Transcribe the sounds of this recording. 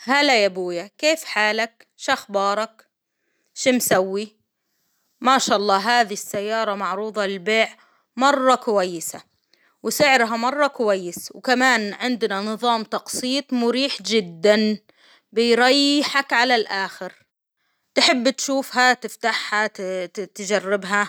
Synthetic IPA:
halːajabuːjakeːfħaːlak | ʃaxbɑːɾˤɑk | ʃimsawːi | maʃaːʔɑlˤːɑːɦaːðisːajːɑːɾˤɑmɑʕɾuːðˤɑlɪlbeːʕ | mɑrˤːɑkʊwajːɪsa | wɪsɪʕɾɦamɑrˤːɑkʊwajːɪswkamaːnʕɪnd̪nanɨðˤɑːmt̪ɑqsˤiːt̪ˤmʊɾiːħd͡ʒɪd̪ːan | bɪjɾɑjːɪħakʕalalʔaːxɪɾ | t̪ħɪbːt̪ʃuːfhat̪ɪft̪aħhat̪d͡ʒarːɪbɦa

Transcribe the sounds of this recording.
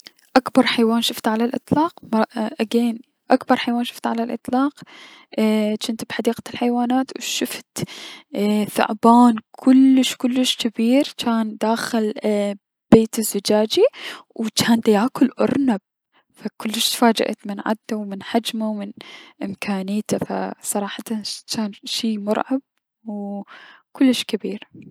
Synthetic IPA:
ʔakbɑɾˤħajwaːnʃɪft̪ʕalalʔɨ̰t̪ˤlɑːqmʔaɡeːn | ʔakbɑɾˤħajwaːnʃɪ̥ft̪ʕalalʔɨ̰t̪ˤlɑːq | t͡ʃɪnt̪bħad̪iːqalħajwaːnaːt̪wʃɪft̪ | θʊ̰ʕbaːnkʰʊlːɪʃkʊlːɪʃkɪbiːɾt͡ʃaːnd̪aːxɪl | b̥eːt̪ɪzːɪd͡ʒaːd͡ʒiwt͡ʃaːnd̪ajaːkʊlʔʊ̰ɾˤnab̚ | fakʊlːɪʃt̪faːd͡ʒa̰ʔa̰t̪mɪnʕa̰d̪ːawmɪnħad͡ʒmawmɪnʔɪmkʰaːnijːt̪afa̰sˤɑɾˤɑːħɑt̪at͡ʃaːnʃiːmʊɾˤʕɑb̚ | w | kʊlːɪʃkɪbiːɾ

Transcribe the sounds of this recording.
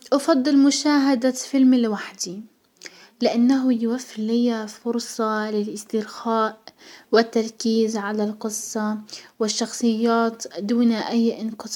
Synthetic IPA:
ʔɑfɑd̪ˤːɨlmʊʃaːɦad̪afɪlmilwaħd̪i | lɪʔanːaɦʊjwafːɪlːɪjafʊɾsˤɑlɪlʔɪst̪ɪɾxaːʔwɪt̪ːɑɾˤkiːzʕalalqɨsˤːɑwɪʃːɑxsˤɨjːaːt̪d̪uːnaʔajːʔɪnqɨsˤɑ

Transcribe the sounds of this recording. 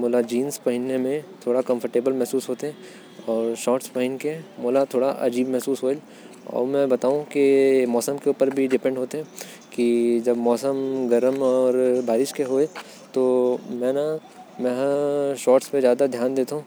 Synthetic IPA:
moːlad͡ʒiːnspɐɦɪnːemẽt̪ʰoːɽakɐ̃mfʰəɾʈeːbəlmɛɦsuːsɦoːt̪eɦɛ̃ | ɔːɾʃɔːʈspɐɦɪnkemoːlat̪ʰoːɽaʔɐ̰d͡ʒiːbmɛɦsuːsɦoː | ɔ̰ːɾmɛ̃bɐt̪aːũkimɔːsəmkeuːpəɾbʱiɖɪpɛ̃ɳɖɦoːt̪eɦɛ̃ | kid͡ʒɐbmɔːsəmɡɐɾəmɔːɾbaːɾɪʃkeɦoːe | t̪omɛ̃ːna | mɛ̃ɦʃɔːʈspezjaːd̪ad̪ʱjaːnd̪eːt̪aɦũː

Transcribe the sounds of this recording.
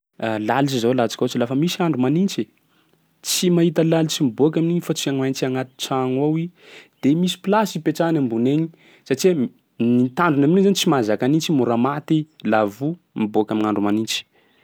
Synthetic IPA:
alalit͡ʃizalat͡sḁkʲaot͡silafəmisiaɳɖ͡ʐumanint͡ʃe | t͡simaɦit̪əlalit͡simiboak̬ʲaminiɲifat͡siaŋajnt͡ʃiaŋat̪i̥ʈ͡ʂaŋawid̪̥emisi̥pilasipeʈ͡ʂanambuneɲi | saʈ͡ʂi | nit̪aɳɖ͡ʐunamnizanit͡simazakanint͡ʃimuɾamat̪ilavu | miboakʲaminaɳɖ͡ʐumanint͡ʃi̥

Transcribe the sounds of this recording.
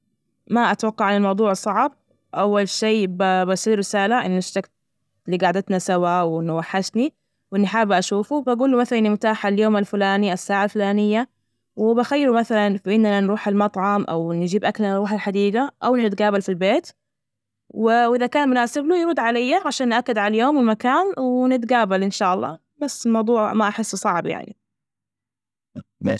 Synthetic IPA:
maʔat̪wɑqːɑʕanalmɑwd̪ˤuːʕsˤɑʕb̚ | ʔawːalʃeːbabasˤiːɾɪsaːlaʔɪnːɪʃt̪akt̪̚ | lːiːɡaʕd̪at̪nasawawʔɪnːʊwaħːaʃni | wʔɪnːiħaːbʔaʃuːfubaɡuːlːumaθalanimʊt̪aːħaljoːmalfʊlaːniʔasːaːʕalfʊlaːnɪjːa | wɪbaxajːɪɾumaθalanfiʔɪnːananɾuːħalmɑt̪ˤʕɑmʔa̰wnd͡ʒiːbʔaklarɾuːħalħad̪iːɡ̪aʔawnnɪt̪̚ɡaːbalfilbeːt̪ | wɪwʔɪðakaːnmʊnaːsɪblujɾˤud̪ʕalajːaʕaʃaːnːʔakːad̪ʕalaljoːmwɪlmakaːnwɪnɪt̪ɡaːbalʔɪnʃaːʔɑlˤːɑ̰ː | basːɪlmɑwd̪ˤuːʕʕmaʔaħɪsːsˤɑʕbja̰ʕnḭ | ḛ

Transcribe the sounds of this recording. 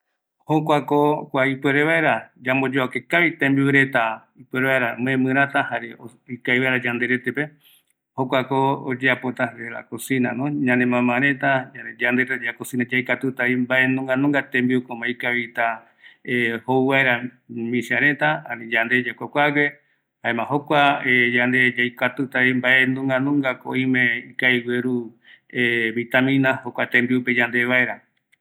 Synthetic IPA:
hokʷakokʷaipweɾeβaeɾad͡ʒambo̞d͡ʒoakekaβit̪ẽmbiuɾe̞t̪a | ipweɾeβaeɾamɨẽmɨ̃ɾat̪ahaɾeo | ikajβaeɾad͡ʒand̪eɾe̞t̪epe | hokʷakood͡ʒeapo̞t̪aɾeɾa̰kosĩnãnõɲãnẽmãmãɾẽt̪ad͡ʒad͡ʒand̪eɾet̪ad͡ʒakosĩnãd͡ʒajkat̪ut̪aimbaʔenõŋɡanõŋɡat̪ẽmbiukõmaikaβit̪a | ehowβaeɾa | mĩsiaɾẽt̪aã̰nĩd͡ʒand̪ed͡ʒakʷakʷawe | haemãɦokʷaejand̪ed͡ʒajkat̪ut̪aβimbaʔenũŋɡanũŋɡako̰ĩmẽikajweɾu | eβit̪amĩnãhokʷat̪ẽmbiuped͡ʒand̪eβaeɾa

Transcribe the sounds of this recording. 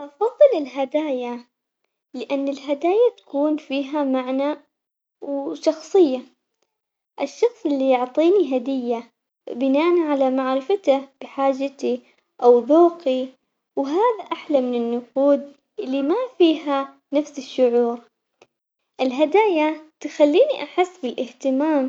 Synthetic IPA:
ʔɑfɑðˤːɨlɪlɦad̪aːja | lɪʔanːɪlɦad̪aːjat̪ḁkuːnfiːɦamaʕna | wʃɑxsˤɨjːa | ʔɪʃːɑxsˤɪlːijʊʕt̪ˤiːniɦad̪ɪjːa | bɪnaːʔnʕalamaʕɾɪfat̪ab̥ɪħaːd͡ʒːat̪i | ʔawðoːqi | wɦaːðaʔaħlamɪnɪnːʊquːd̪̚ | ʔɪlːimafiːɦa | nafsɪʃːʊʕuːɾ | ʔɪlɦad̪aːjat̪xalːiːniʔaħɪsːbɪlʔɪht̪ɪmaːm

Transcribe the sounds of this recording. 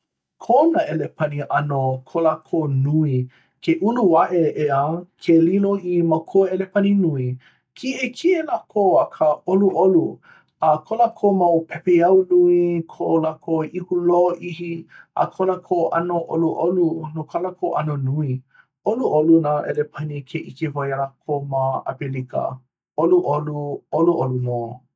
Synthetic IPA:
kʰonaelepʰaniʔɐnokʰolakʰonui | kʰeʔunuwaʔeʔeəkʰeliloimakʰoelepaninui | kʰiekʰielakʰoakʰəoluʔolu | akʰolakʰomawpʰɛpeɐwnuikʰoʔolakʰoihuloʔihiʔa̰kʰolakʰoʔɐnoʔoluʔolunokʰalakʰoʔɐ̰nonui | oluʔolunaʔelepʰɐnikʰeʔikevajalakʰomaa̰pelikə̰ | oluʔoluoluʔolumoː

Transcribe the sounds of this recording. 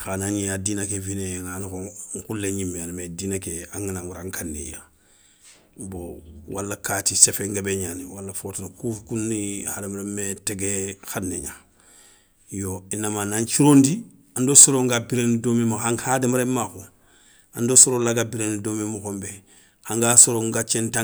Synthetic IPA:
xanaɲijadiːnakevineŋanikoŋkulːeɲimːeanmediːnakea̰ŋinãŋuɾaŋkanːḛja̰ | bowʔalːakaːtisefeŋɡebeɲaniwalːafotinakukunːihademaɾemeteɡexanːḛɲa | joinːamanaɲt͡ʃiɾõndi | ãndosoɾoŋɡabiɾenidoːmemuhaŋhademaɾemːaxo | andosoɾolaɡabiɾenidoːmemukombe | aŋɡasoɾoŋɡat͡ʃenta

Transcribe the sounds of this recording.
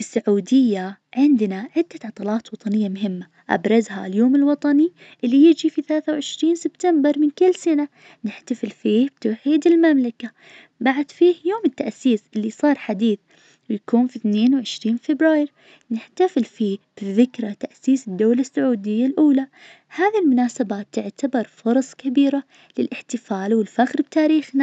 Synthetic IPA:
ɪsːaʕuːd̪ɪjːaʕɪnd̪naʕɪd̪ːat̪ʕɑt̪ˤɑlɑːt̪wɑt̪ˤɑnɪjːamʊɦɪmːa | ʔa̰bɾˤɑzha̰ljoːmɪlwɑt̪ˤɑni | ʔɪlːijɪd͡ʒifiθalaːθawʕɪʃɾiːnsɪb̥t̪ambɪɾˤmɪnkɪlːsana | nɪħt̪afɪlfiːbt̪awħiːd̪ɪlmamlaka | baʕad̪fiːhjoːmɪt̪ːaʔsiːsʔɪlːisˤɑːɾˤħad̪iːθ | wjakuːnfiθneːnwʕɪʃɾiːnfɪbɾaːjɪɾ | nɪħt̪afɪlfiːb̥ðɪkɾˤat̪aʔsiːsɪd̪ːawlasːʊʕuːd̪ɪjːalʔuːla | haːðilmʊnaːsabaːt̪ːɪʕt̪abɑɾˤfʊɾˤɑsˤkabiːɾa | lɪlʔɪħt̪ɪfaːlwɪlfaxɾb̚t̪aːɾiːxna

